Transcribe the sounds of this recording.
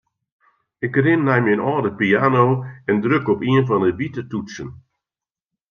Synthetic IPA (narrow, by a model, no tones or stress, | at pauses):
ɪkrɪnːɛjminɔːdəpiaːnoːɛndrøkɔpiənfɔndəʋitətutsən